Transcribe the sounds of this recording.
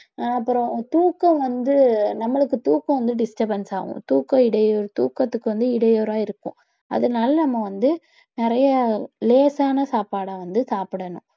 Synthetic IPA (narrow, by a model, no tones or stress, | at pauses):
aːɐpːɯɾɔ̃t̪uːkːɐ̃ʋɐnd̪ɯnɐmːɐɭɯkːɯt̪uːkːɐ̃ʋɐnd̪ɯɖɪsʈɐbɐnsa̰ːʋʊ̰̃t̪uːkːɐɪɽɐjoːɾt̪uːkːɐt̪ːɯkːɯʋɐnd̪ɯɪɽɐjoːɾaːɪɾɯkːʊ̰̃ | ɐ̰ðɯnaːlɐnɐmːɐʋɐnd̪ɯ | nɪɾɐjɐleːsaːnɐsaːpaːɽaʋɐnd̪ɯsaːpɪɽɐnʊ̰̃